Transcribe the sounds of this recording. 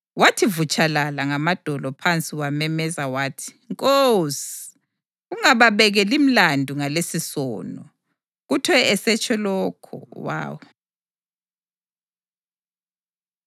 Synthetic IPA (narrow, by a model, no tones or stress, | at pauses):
watʰivut͡ʃʼalalaŋamad̥ʱɔlɔpʰant͡sʼiwamɛmɛzawaːtʰi̥ŋkʼowsi | uŋaβaβɛɣɛlim̩landʱuŋalesisɔ̰ːnɔ | ɣutʰwɛɛsɛt͡ʃʰʼɛlɔkʰɔ̰wa̰ːwɔ